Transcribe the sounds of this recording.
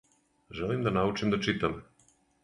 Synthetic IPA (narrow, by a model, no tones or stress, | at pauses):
ʒelimd̪anaut͡ʃimd̪at͡ʃit̪am